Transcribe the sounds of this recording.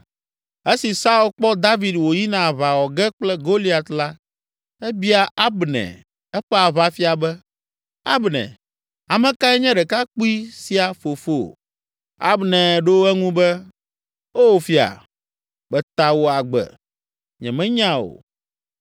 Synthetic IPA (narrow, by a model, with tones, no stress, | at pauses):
e˦si˨sa˦u˦lk͡pɔ˦d̪a˦vi˨d̪wo˨ji˦nã˨βa˨wɔ˨ɡɛ˦k͡plɛ˦ɡo˦li˦a˨t̪la˦ | ɛ˦bi˦a˨ʔa˦bnɛ̰̃˨ | ɛ˦ɸɛ˦a˨βa˨fi˦a˨bɛ˦ | a̰˦bnɛ̰̃˨ | a˨mɛ̃˨ka˦ɛ˦ɲɛ̃˦ɖɛ˨ka˦k͡pu˦i˦si˨a˨fo˨fo˦˨ | a̰˦bnɛ̃˨ɖo˦wɛ˦ŋũ˦bɛ˦ | o˦o˨fi˨a̰˨ | k͡pɛ˨t̪a˨wo˨a˨ɡ͡bɛ̰˨ | ɲɛ̰̃˨mɛ̃˦ɲã˦o̰˨